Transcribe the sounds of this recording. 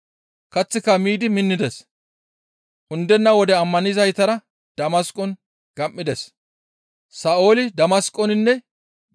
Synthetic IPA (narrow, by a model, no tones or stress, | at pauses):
kɐt͡sːɪkːɐmiːd̪ɪmɪnːɪd̪ɛs | ʔʊnd̪ɛnːɐwɔd̪ɛɐmːɐnɪzɐjt̪ɐɾɐ | d̪̥ɐmɐskʼɔn | ɡ̥ɐmːɪd̪ɛs | saːʔoːlɪd̪ɐmɐskʼːɔnɪnːɛ